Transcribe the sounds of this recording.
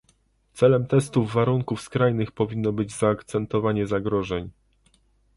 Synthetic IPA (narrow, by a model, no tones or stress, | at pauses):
t̪sɛlɛmt̪ɛst̪uvːaɾuŋkufskɾajnɘxpɔvʲinːɔbɘd͡ʑzaːkt̪sɛnt̪ɔvaɲɛzaɡɾɔʐɛɲ